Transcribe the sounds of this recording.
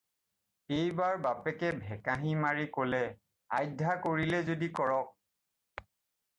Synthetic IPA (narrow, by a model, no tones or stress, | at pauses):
ejbaɹbapɛkɛbʱɛkaɦimaɹikolɛ | a̰jdʱakoɹilɛzodikɔɹɔk̚